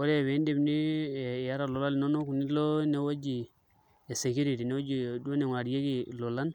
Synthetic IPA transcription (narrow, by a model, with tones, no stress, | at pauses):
wo˦ɾe˦˨we˨˦nde˦bni˦˨ja˦ɾa˦˨lo˨la˦li˨no˦no˦ku˨ni˦lo˦ne˨wa˦d͡ʒi˨ | e˨se˨ki˦ɾi˨ti˨ne˦wo˦d͡ʒi˨do˦ne˨ŋʷwa˨ɾi˦je˦d͡ʒi˨lo˨la˦n